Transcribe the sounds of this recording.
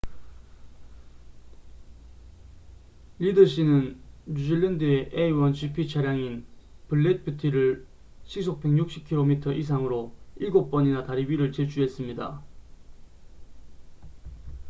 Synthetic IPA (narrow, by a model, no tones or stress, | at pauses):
ʎidʌɕ͈inɯnːud͡ʑiɭːendɯeʔeiwʌnɕʰipʰit͡ɕʰaɾjaŋinpɯɭːet̚pʰjutʰiɾɯɭ | ɕʰik̚s̬ʰok̚p͈e̞ŋɲuk̚ɕ͈ip̚kʰiɾomitʰʌʔisʰaŋɯɾoiɭɡop͈ʌɲinataɾibiɾɯɭt͡ɕet͡ɕʰuɦe̞s͈ɯmɲida̰